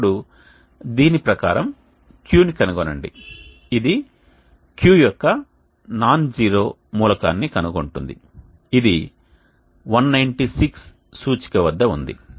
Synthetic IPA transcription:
ɽu | d̪iːnipɾɐka̰ːɾɐm | kjuːnikɐnuɡonɐɳɖḭ | id̪i | kjuːjɔkːɐ | naːnd͡ʒiːɾo̞ː | muːlɐka̰ːnːikɐnuko̞ɳʈund̪ḭ | id̪i | ʋɐnːɐjɳʈisiksː | uːt͡ʃi̥kɐʋɐd̪ːɐund̪ḭ

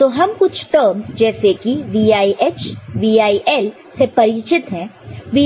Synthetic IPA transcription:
t̪oːɦɐmkʊt͡ʃʰʈəɾmd͡ʒɛːsekiʋiːaːiʔeːt͡ʃʋiːaːiʔɛːl | sepɐɾɪt͡ʃɪt̪ɦɛ̃ːʋiː

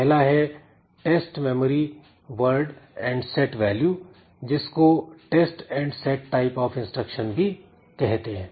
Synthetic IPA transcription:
pɛɦlaɦɛ | ʈeːsʈmeːməɾi | ʋəɾɖɛ̃ːɳɖsɛʈʋɛːljuː | d͡ʒɪskoʈeːsʈɛ̃ːɳɖsɛːʈːaːɪpɔːfɪ̃nsʈɾəkʃənbʱi | kɛɦt̪eɦɛ̃ː

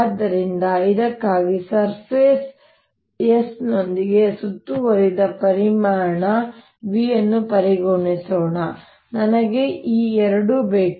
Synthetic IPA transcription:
d̪ːɐɾind̪ɐid̪ɐkːaːɡisɐɾpeːs | jesno̞nd̪iɡe̞sut̪ːuʋɐɾid̪ɐpɐɾimaːɾɐɳɐ | ʋiːɐnːupɐɾiɡoɳisɔːɳɐ | nɐnɐɡe̞ʔiːɛɾɐɽubeːk

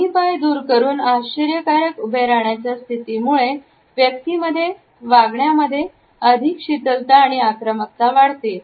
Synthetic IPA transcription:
ipajd̪uːɾkəɾuːnaɕəɾjəkaɾəkubʱeɾaɳjat͡ɕjast̪ʰit̪iːmuɭe | ʋjək̚t̪iməd̪ʱːje | ʋaɡɳjaməd̪ʱːje | əd̪ʱikɕit̪əlt̪aːɽ̃iakɾəmək̚t̪aʋaɽt̪e

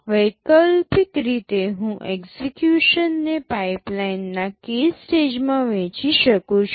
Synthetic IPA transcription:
ʋəjkəlpikɾit̪eɦũʔekzekjuʃənːepajplajnːakesʈed͡ʒmãʋẽt͡ʃiʃəkũt͡ʃʰu

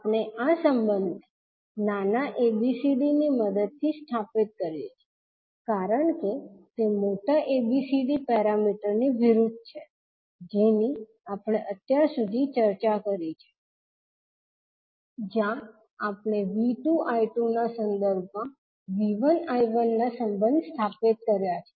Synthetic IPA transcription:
apɳeʔasəmbənd̪ʱ | nanaʔebisiɖiniməd̪əd̪̚t̪ʰːisʈʰapit̪̚kəɾjet͡ʃʰe̥ | kaɾəɳket̪emoʈaʔebisiɖipɛɾamiʈəɾniʋiɾud̪ʱt͡ʃʰe | d͡ʒeni | apɳ̃eʔət̪jaɾsud̪ʱit͡ʃəɾt͡ʃakəɾit͡ʃʰe̥ | d͡ʒjã | apɳ̃eʋiʈuʔajʈunasənd̪əɾbʱmã | ʋiʋənajʋənːasəmbə̃nd̪sʈʰapit̪̚kəɾjat͡ʃʰe̥

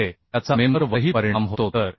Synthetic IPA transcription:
et̪jat͡samenəɾʋəɦiːpəɾiɳamɦot̪ot̪əɾ

